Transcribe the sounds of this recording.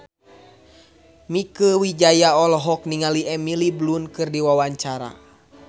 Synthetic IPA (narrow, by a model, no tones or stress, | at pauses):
mikəwid͡ʒajaɔlɔɦɔk̚niŋaliʔɛmiliblunkɨrdiwawaɲt͡ʃaɾa̰